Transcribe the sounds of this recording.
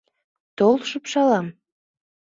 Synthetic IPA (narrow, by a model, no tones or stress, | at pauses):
t̪olʃəpʃɑlɑm